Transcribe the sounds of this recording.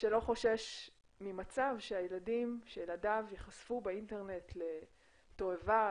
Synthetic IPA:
ʃelo̞χo̞ʃeʃ | mimat͡savʃeajeladimʃejeladavjeχasfubeinteʁne̞tle̞ | to̞eva

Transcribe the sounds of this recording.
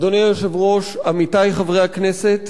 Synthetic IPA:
d̪onejjoʃevʁo̞ʃamit̪ajχavʁejakneset̪

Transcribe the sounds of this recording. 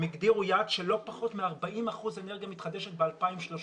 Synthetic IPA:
meɡd̪iʁujad̥̪ʃelo̞paχo̞t̪meaʁbaʔimaχuze̞neʁɡijamit̪χad̪eʃet̪̚bealpaimʃlo̞

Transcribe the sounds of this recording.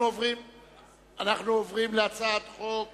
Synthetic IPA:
uovʁim | anaχnuovʁimleat͡saːt̪χok

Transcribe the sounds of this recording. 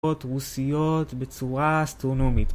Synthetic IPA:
otʁusijo̞t̪bet͡suʁaːst̪ʁono̞mit̪

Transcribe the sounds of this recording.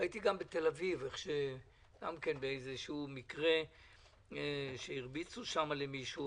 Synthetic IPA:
ajit̪iɡambet̪e̞laviveχʃe | ɡ̥amke̞nbeejzeʃumikʁe̞ | ʃeiʁbit͡suʃamalemiʃu

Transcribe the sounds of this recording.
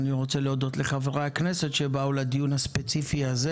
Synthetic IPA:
niʁot͡seleod̪o̞t̪leχaveʁakne̞se̞tʃebaulad̪ijunhaspet͡sifiaze

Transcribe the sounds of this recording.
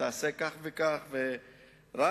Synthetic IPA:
asɛkaχvɛkaχvɛ | ra

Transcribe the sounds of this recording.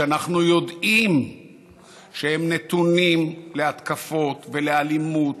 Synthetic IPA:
anaχnujo̞d̪im | ʃehemne̞t̪unimleat̪kafo̞t̪velealimut̪

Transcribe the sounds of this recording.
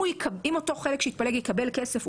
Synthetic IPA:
ujkʰɐimoto̞χelekʃeit̪̚paleɡjikɐbelke̞sef

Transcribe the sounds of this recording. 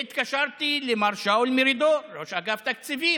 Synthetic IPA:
ɪt̪kaʃɑɾˤt̪ilemaɾʃawlmɪɾid̪oɾoʃaɡaft̪ak̚t͡siviː

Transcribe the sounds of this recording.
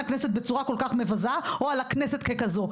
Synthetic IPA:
akneset̪̚bet͡suʁako̞lkaχme̞vazaoalakneset̪kekazo

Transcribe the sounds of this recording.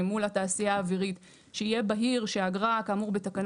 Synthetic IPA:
mulataːsijaːviʁit | ʃeijebaɦiʁʃeaɡʁakamuʁbe̞takan

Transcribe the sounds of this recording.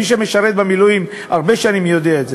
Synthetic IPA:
iʃ̬emeʃaʁet̪̚bemilujim | aʁbeʃanimjo̞d̪eaetze

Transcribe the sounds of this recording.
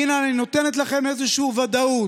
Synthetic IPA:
inanino̞t̪enet̪laχe̞mezeʃuuvad̪au

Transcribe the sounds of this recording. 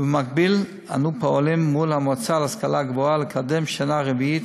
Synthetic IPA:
bemak̚bil | a̰nupoolimːulhamot͡salaskalaɡboalekʰad̪emʃanaʁeviit̪

